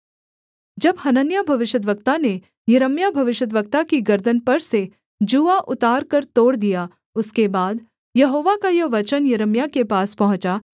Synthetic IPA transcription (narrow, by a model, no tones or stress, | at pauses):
d͡ʒɐbhɐnənjabʱɐʋɪʃjət̪d̪ʋək̚t̪ane | jɐɾəmjabʱɐʋɪʃət̪̬ʋək̚t̪akiɡɐɾd̪ʱənpɐɾse | d͡ʒuʋaʔʊt̪aːɾkɐɾt̪oːɽd̪ija | ʊskebaːd̪ | jɐɦoːʋakajɐʋɐt͡ʃənjɐɾəmjakepaːspɐɦʊ̃t͡ʃa